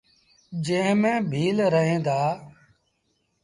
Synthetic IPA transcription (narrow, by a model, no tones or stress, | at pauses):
d͡ʒẽːɦmẽːbʱiːlɾəɦẽːd̪aː